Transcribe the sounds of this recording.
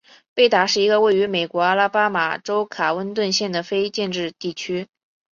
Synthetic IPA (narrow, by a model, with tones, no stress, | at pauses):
pe˥˩ɪt̪a˨˩ʂɻ̩˥˩i˧˥ɡə˧we˥˩ɪy˧˥me˨˩ɪkwɔ˧˥a˥la˥pa˥ma̰˨˩ʈ͡ʂo˥ʊkʰa˨˩wə˥nt̪wə˥˧nɕjɛ˥˩nd̪ə˩fe˥ɪt͡ɕjɛ˥˧nʈ͡ʂɻ̩˥˧t̪i˥˩t͡ɕʰy˥